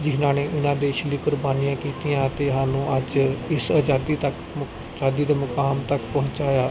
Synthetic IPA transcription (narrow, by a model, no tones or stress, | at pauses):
d͡ʒɪɦnãːneːʔɪnãːd̪eːʃliːkʊɾbaːnijãːkiːt̪ijãːt̪eːɦãːnũːʔəd͡ʒɪsaːd͡ʒaːd̪iːt̪ək | d͡ʒaːd̪iːd̪aːmʊkaːmt̪əkpɔ̃ɦʊ̃ɲt͡ʃaːjaː